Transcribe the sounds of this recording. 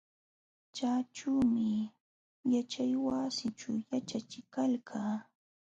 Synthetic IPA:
t͡ʃaːʈ͡ʂuːmɪ | jat͡ʃajwasɪt͡ʃuwjat͡ʃat͡ʃɪkalkʰaː

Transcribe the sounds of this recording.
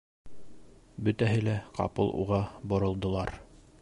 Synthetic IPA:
bɵ̆t̪æɦɘlæqɑ̰pɤ̰lˠʔṵʁɑbŏɾɤ̆lˠd̪ɤ̆lˠɑɾ

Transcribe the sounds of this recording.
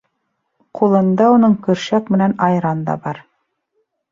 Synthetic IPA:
qʰulˠɤ̆nd̪ɑunɤɴkɵ̆ɾʃækmɘ̆nænɑjɾɑnd̪ɑ̰bɑɾ

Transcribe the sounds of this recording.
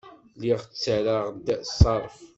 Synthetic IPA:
liʁt͡sːəɾaʁd̪sˤɑɾˤf

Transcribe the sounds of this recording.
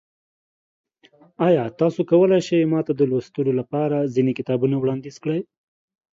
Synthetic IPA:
ɑjɑt̪ɑsokawəlajʃajmɑt̪ad̪əlwast̪ulolapɑɾazinekɪt̪ɑbunawɽɑnd̪izkɽəj

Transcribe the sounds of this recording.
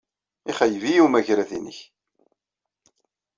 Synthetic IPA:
iχəjvijumæʝɾæðinə̰ç

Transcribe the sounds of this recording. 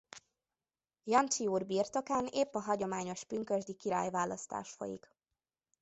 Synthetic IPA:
jɒnt͡ʃiuːrbiːrt̪o̞kaːneːpːɒɦɒɟo̞maːɲo̞ʃpyŋkøʒd̪ikiɾa̰ːjvaːlːɒst̪a̰ːʃfo̰jḭk

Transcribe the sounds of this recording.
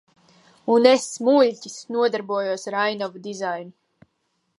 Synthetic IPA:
unesmuʎʲcʲisnuɔd̪aɾbuɔjuɔsɾajnavud̪izajnu

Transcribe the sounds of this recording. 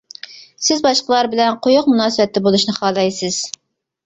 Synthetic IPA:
sɪzbɑʃqəlˠɑɾbɪlɛnqʰojʊqmunɑːsɨbɛt̪ːɛbolˠuʃnɨχɑːlˠɑjsɪz̥

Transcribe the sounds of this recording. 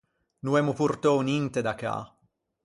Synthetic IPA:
nuɛmupurt̪onint̪ed̪aka̰

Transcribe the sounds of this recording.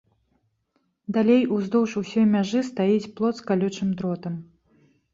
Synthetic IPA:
d̪alʲejuzd̪ɔwʂusʲɔjmʲaʐɨst̪ajit͡sʲplˠɔt̪skalʲut͡ʂɨmd̪ɾɔt̪ɐm

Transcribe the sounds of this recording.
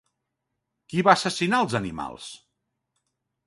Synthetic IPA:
kiβaːsəsinaəlˠzənima̰lˠs

